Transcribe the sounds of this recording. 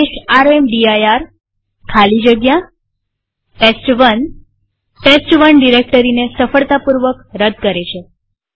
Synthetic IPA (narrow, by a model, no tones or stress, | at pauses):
eʃaɾemɖiajaɾ | kʰalid͡ʒəɡja | ʈesʈʋən | ʈesʈʋənɖiɾek̚ʈəɾinesəfəɭt̪apuɾʋəkɾəd̪̚ʱkəɾet͡ʃʰe